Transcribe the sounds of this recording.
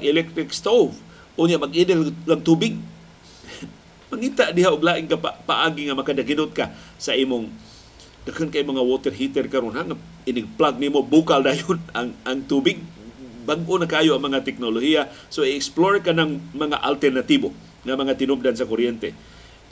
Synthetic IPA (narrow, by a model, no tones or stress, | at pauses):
ɡɛlɛk̚t̪ɾɪkst̪ov | ʊɲjaʔmaɡidɛlkaŋt̪ubɪɡ̚ | maŋit̪aʔdiɦaʔʊɡlaʔɪŋkaapaʔaɡiŋamakadaɡinʊt̪̚kasaimʊŋ | d̥akənkaimoŋawot̪ɛrɦit̪ɛrkaɾonɦaŋa | iniɡ̚plaɡ̚nimobukaldajʊnaŋʔaŋt̪ubɪɡ̚baɡʔonakaajoʔaŋmaŋat̪ɛk̚noloɦia | soiɛksploɾkanaŋmaŋa̰ʔa̰lt̪ɛrnat̪ibo | ŋamaŋat̪inup̚dansakoɾijɛnt̪ɛ̰